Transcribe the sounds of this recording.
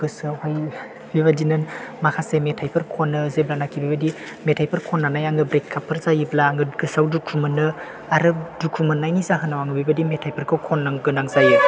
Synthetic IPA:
ɡ̥ɯsawhaj | biβadinɯnmakʰasemetʰajpʰɯɾkʰonːɯzeblanakibibadi | metʰajpʰɯɾkʰonːanajaŋɡɯbɾekʰːapʰːɯɾzajɯblaŋɡɯɡɯsawdukʰumɯnːɯ | aɾɯdukʰumɯnːajnizaɦɯnawaŋɯbibadimetʰajpʰɯɾkʰɯwkʰonːaŋɡɯnaŋzajɯ

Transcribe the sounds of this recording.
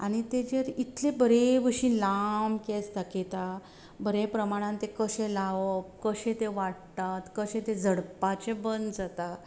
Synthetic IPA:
a̰ɽ̃it̪ed͡ʑeɾit̪lẽbəɾeʋəɕĩːnlamket͡st̪aket̪a | bəɾepɾəmaɽ̃ãnt̪ekəɕẽlaʋəpkəɕẽt̪eʋaʈt̪at̪kəɕẽt̪ed͡zʱəɽpat͡ɕẽbənd̪d͡zat̪a

